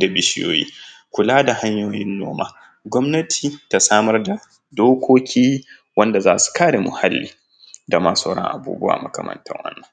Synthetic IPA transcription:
da˨bɪ˨ʃɪ˦jo̰ː˦˨jḭː˦kʷʊ˨laː˦da˨ha˦ɲjoː˨jɪ˦nːo̰ː˦maː˦ | ɡʷɔ˦mnɐ˦tʰiː˨ta˦saː˦mɐ˦rda˨ | doː˦kʷʰoː˦kʲʰiː˦ | wɐ˦nda˨zaː˦su̥˨kaː˦ɽe˨mʊ̰˨ha˦lːḭː˨ | da˨ma˦sa˦˨ɽɐ̰˦ŋʔa̰˨bṵː˦bʊ˦wa̰ː˨mɐ˦kɐ̰˨mɐ̰˨ntɐ̰˦ŋwɐ̰˦nːɐ˨ŋ

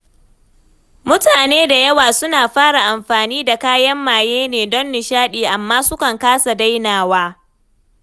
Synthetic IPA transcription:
mʊ˦taː˨neː˦da˨jɐ˦waː˨sʊ˦naː˨ɸaː˦ɽa˨ʔa˨mɸaː˨niː˦da˨kaː˦jɐ˦mːaː˨jeː˦neː˨dɔ˦nːɪ˨ʃaː˦ɗiː˨ʔa˨mːaː˦sʊ˦kɐ˨ŋkaː˦sa˨da˦jnaː˨waː˦

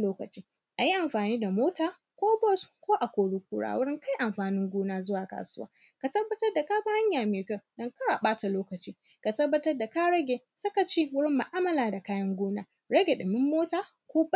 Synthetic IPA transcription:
loː˦kɐ˨t͡ʃiː˦ | ʔa˨ji˦ʔa˨mɸaː˨niː˦da˨moː˦taː˦˨ | kʷoː˦bɔ˦skʷoː˦ʔa˨kʷoː˨ɽu˦k̚ʷuː˦ɽa̰ː˨wʊ˦ɽɪ˦ŋka˦jʔa˨mɸaː˨nɪ˦ŋɡʷuː˦naː˦zʊ˦waː˨ka̰˨sʊ˦waː˦ | ka˨tɐ˦bːɐ˦tɐ˦rda˨ka˦ba˦ha˦ɲjaː˨meː˨kɐ˦dɔ˦ŋkɐ˦ɽaː˨ɓaː˦ta˨loː˦kɐ˨t͡ʃiː˦ | ka˨tɐ˦bːɐ˦tɐ˦rda˨ka˦ɽɐ˦ɡʲeː˨ | sɐ˦ka˨t͡ʃiː˦wʊ˦ɽɪ˦mːɐ˨ʔaː˦mɐ˨laː˨da˨kaː˦jɐ˦ŋɡʷuː˦naː˦ | ɽɐ˦ɡʲe˨ɗɪ˨mɪ˦mːoː˦taː˨ | kʷuː˦ba˦˨

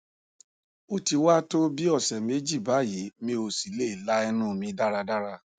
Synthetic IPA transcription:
o˧ti˧wa˦to˦bi˦ɔ˦˨sɛ˨me˨˦d͡ʒi˦˨ba˨˦˨ji˨˦mĩ˧˦o˧si˨˦le˦i˨la˦ɛ˧nũ˦˨mĩ˧˦da˦ɾa˧da˦ɾa˧˨

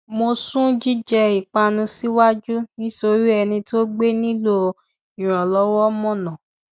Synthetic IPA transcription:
mo˧sũ˦d͡ʒi˦d͡ʒɛ˧i˨k͡pa˧nũ˧si˦wa˦d͡ʒu˦nĩ˦so˧ɾi˦ɛ˧nĩ˧to˦ɡ͡be˦nĩ˦lo˦ | i˨ɾ̃ɔ̃˨lɔ˦wɔ˦mɔ̃˦˨nã˨

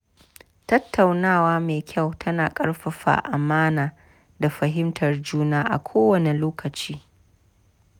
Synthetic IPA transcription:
tɐ˦tʰːa˨wnaː˦˨waː˦meː˨kʲʰa˦˨wtʰɐ˦naː˨kʼɐ˦ɽɸɐ˨ɸa̰˨ʔa˨maː˦naː˨ | da˨ɸɐ˨ɦɪ˦mtʰɐ˨rd͡ʒuː˦naː˦ʔa̰˨kʷʰoː˦wɐ˨ne˨loː˦kʰɐ˨t͡ʃiː˦

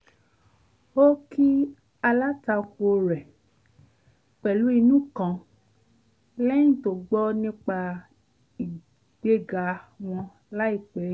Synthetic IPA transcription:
o˦ki˦ | a˧la˦ta˧ku˨˧o˧ɾɛ˨ | k͡pɛ˨lu˨˦i˧nũ˦˨kã˧˨ | lɛ̃˦ĩ˦˨to˨ɡ͡bɔ˦nĩ˦k͡pa˧ | i˨ | ɡ̥e˦ɡa˨˧w̃ɔ̃˧ | la˦i˦˨k͡pɛ˨˦

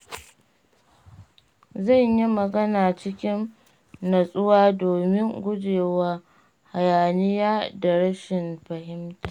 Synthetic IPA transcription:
zɐ˦˨ɲji˦mɐ˨ɡɐ˦naː˨t͡ʃɪ˦kʲɪ˦nː | ɐ˨sʼʊ˦waː˦doː˨mɪ˦ŋɡʷʊ˦d͡ʒeː˨waː˦ | ha˨jaː˨nɪ˦jaː˦da˨ɽɐ˦ʃɪ˨nɸɐ˨hɪ˦mtaː˨

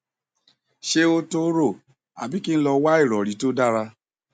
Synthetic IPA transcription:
ʃe˧o˧to˦ɾo˦˨ | a̰˨bi˨˦ki˦ñ̩˦lɔ˧wa˦i˦˨ɾɔ˨ɾi˨˦to˦da˦ɾa˧

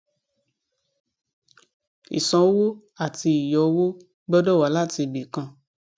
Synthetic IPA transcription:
ḭ˨sɔ̃˨˦wo˦ | a˦˨ti˧i˨jɔ˨˧˦wu˦ | bɔ˦dɔ˦˨wa˨˦la˦˨ti˧˨be˨kã˧˦

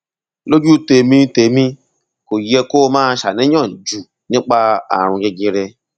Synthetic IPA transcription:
lo˦d͡ʒu˦te˧mĩ˧te˧˨mĩ˧ | ko˨˦ɛ˧ko˦˧mãː˦ʃa˨nĩ˨˦j̃ɔ̃˦˨d͡ʒu˨ | nĩ˦k͡pa˦a̰˨ɾ̃ũ˧jɛ˧ɡĩ˧ɾɛ˧

